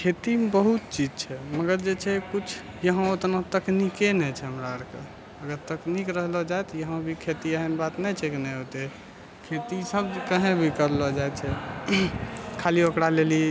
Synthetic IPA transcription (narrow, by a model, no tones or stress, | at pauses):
kʰet̪ibəɦut̪̚t͡ʃid͡ʒt͡ʃʰɛməɡəɾd͡ʒet͡ʃʰɛkut͡ʃʰ | jəɦə̃ot̪nãt̪əknikenɛt͡ʃʰɛɦəmɾaəɾke | əɡəɾt̪əknikɾəɦlɔd͡ʒajt̪ɔjəɦə̃bʱikʰet̪iəɦənbat̪nɛt͡ʃʰɛkinɛɦot̪e | kʰet̪isəbkəɦẽbʱikəɾlɔd͡ʒajt͡ʃʰɛ | kʰaliokɾaleli